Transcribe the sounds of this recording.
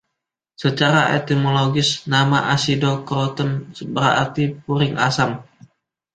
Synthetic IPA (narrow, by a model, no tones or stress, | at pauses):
sət͡ʃaɾaʔḛt̪imoloɡɪsnamaʔasidokɾot̪ənsəbəɾaə̰rt̪ip̚uɾɪŋasam